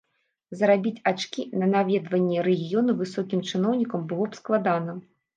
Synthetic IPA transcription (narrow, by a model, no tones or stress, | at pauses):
zɐɾabʲit͡sʲat͡ʂkʲinɐnavʲɛd̪vɐnʲːɛɾɛɣʲijɔnuvɨsɔkʲimt͡ʂɨnɔwnʲikɐmbɨlˠɔpsklˠad̪anɐ